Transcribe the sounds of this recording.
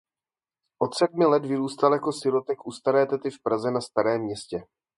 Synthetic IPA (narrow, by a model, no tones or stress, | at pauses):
ʔo̞t̪sɛd̪mɪlɛt̪vɪɾuːst̪aljako̞sɪɾo̞t̪ɛkʔust̪aɾɛːt̪ɛt̪ɪfpɾazɛnast̪aɾɛːmːɲɛscɛ